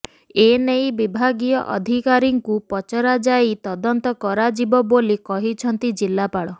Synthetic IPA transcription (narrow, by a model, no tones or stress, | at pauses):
enejbibʱaɡijɔʔɔ̰d̪ʱikaɾiŋkupɔt͡ʃɔɾad͡ʒait̪ɔd̪ɔnt̪ɔkɔɾad͡ʒibɔbolikɔɦit͡ʃʰɔnt̪id͡ʒilːapaɽɔ